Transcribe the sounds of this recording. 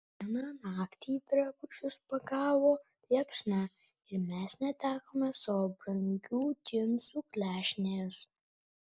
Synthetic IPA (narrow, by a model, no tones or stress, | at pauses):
ɛnɑːnɑːkt̪ʲiːd̪ɾɐbʊt͡ʃʰʲʊspɐɡɑːʋoː | lʲɛpʂnɑ | ɪɾmʲɛsnʲɛt̪ʲæːkoːmʲɛsɐʋoːbɾɐŋʲɡʲuːt̪ʲɪnsuːklʲæːʃʲnʲejɛs